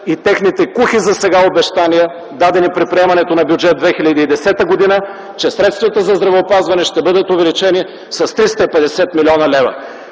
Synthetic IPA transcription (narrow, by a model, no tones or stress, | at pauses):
it̪ɛxnit̪ɛkuxizɐsɛɡaobɛʃt̪aniɛ | d̪ad̪ɛnipɾit̪̚pɾiɛmɐnɛt̪onɐbʲjud͡ʒɛt̪̚d̪vɛxilʲəd̪iːd̪ɛsɛt̪əɡod̪inə | t͡ʃɛsɾɛt̪st̪vɐt̪əzɐzd̪ɾɐvɛopazvɐnɛʃt̪ɛbɤd̪ət̪ovɛlit͡ʃɛni | sɐst̪ɾist̪əipɛd̪ɛsɛt̪milʲiɔnɐlɛvə̰